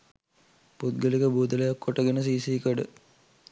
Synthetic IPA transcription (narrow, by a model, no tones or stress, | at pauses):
put̪̚ɡəlikəbuːd̪əlejakːoʈəɡenəs̬iːsiːkəɖə